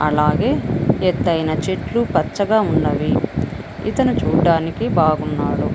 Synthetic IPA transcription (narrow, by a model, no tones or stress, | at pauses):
ɐ̰laːɡeːet̪ːɐjnɐt͡ʃeʈlupɐt͡ʃːɐɡaːunːɐʋi | ḭt̪ɐnut͡ʃuːɖaːnikibaːɡunːaːɽu